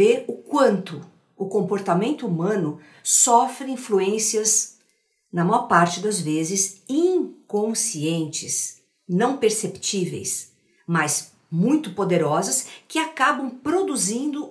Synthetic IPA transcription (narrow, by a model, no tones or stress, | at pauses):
eɾʊkwɐ̃nt̪ʊː | kõmpoɾt̪amẽnt̪ʊumɐ̃nʊ | sɔfɾɪ̃ĩfluẽsiɐz | nɐmajɔɾpaɾt͡ʃɪd̪ɐzvezɪzĩkõsiẽnt͡ʃɪs | nɐ̃w̃peɾsept͡ʃivḛjs | mɐs | mũj̃t̪ʊpod̪eɾɔzɐskɪakabɐ̃w̃pɾod̪uzĩnd̪ʊ